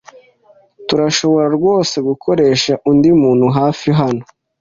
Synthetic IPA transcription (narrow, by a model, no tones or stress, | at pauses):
tuɾaʃo̞βo̞ɾaɾɡwo̞ːse̞ɡukʰo̞ɾe̞ːʃaʔundimuːnhuɦaːfiɦano